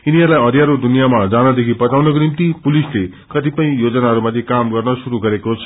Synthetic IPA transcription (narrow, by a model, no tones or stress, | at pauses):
iniɦʌɾulajʌd̪ʱjaɾod̪unijamad͡zanʌd̪ekʰipʌt͡sawnʌk̬onimt̪ipulisle | kʌt̪ipʌĩjod͡zʌnaɦʌɾumʌt̪ʰekamɡʌrnʌsuɾuɡʌɾekot͡sʰʌ̥